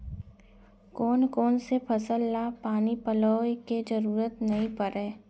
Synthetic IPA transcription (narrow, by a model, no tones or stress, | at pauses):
kɔːnkɔːnsepʰɐsəlːapaːnipəloːked͡ʒɐɾuːɾət̪nɐɦĩpəɾɛ̃ː